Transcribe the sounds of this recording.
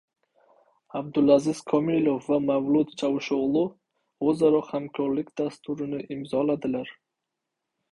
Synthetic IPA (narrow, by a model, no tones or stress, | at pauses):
ab̚d̪ʊlazɪz̥kʰɒmilofːamavlˠʊt̪t͡ʃʰawʃoʁlˠɪ | ozaɾɒhamkʰɒɾlɪkʲd̪ast̪ʰʊɾɪnɪʔɪmzɒlad̪ɪlaɾ